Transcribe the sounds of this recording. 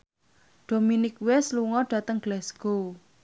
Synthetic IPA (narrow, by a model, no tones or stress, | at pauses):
ɖ̪̥o̤minɪkwɛsluŋɔɖ̥ä̤t̪əŋɡ̥lɛsko